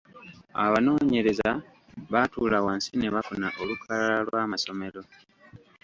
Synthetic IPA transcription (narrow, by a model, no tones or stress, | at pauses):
a̰βano̞ːɲe̞ɾe̞za | βatuːlawansineβafunaʔo̞lukʰalalalwaːmaso̞me̞lo̞